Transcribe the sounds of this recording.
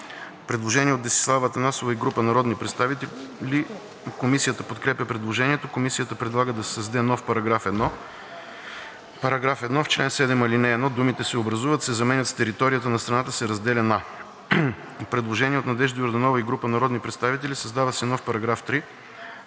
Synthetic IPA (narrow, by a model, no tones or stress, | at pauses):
pɾɛd̪lˠoʒɛniɛot̪ɛsi̥slˠavət̪ɐnasovəiɡɾupənɐɾɔd̪nipɾɛt̪st̪avili | komisijət̪əpot̪kɾɛpjəpɾɛd̪lˠoʒɛniɛt̪okomisijət̪əpɾɛd̪lˠaɡəd̪ɐssɐzd̪ɛnɔfpɐɾɐɡɾafɛd̪nɔ | pɐɾɐɡɾafɛd̪nɔft͡ʃlɛnsɛd̪ɛmɐlinɛːd̪ɔd̪umit̪ɛsɛobɾɐzuvət̪sɛzɐmɛnʲət̪st̪ɛɾit̪ɔɾijət̪ənɐst̪ɾɐnat̪əsɛɾɐzd̪ɛlʲɛna | pɾɛd̪lˠoʒɛniɛot̪nɐd̪ɛʒd̪ɐjoɾd̪ɐnɔvəiɡɾupənɐɾɔd̪nipɾɛt̪st̪avit̪ɛlisɐzd̪avəsɛnɔfpɐɾɐɡɾaft̪ɾi